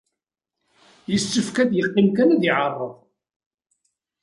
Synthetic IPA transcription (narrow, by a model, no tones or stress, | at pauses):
jəsːʊfkæd̪jəqːimkænæðiʕərˤːəðˤ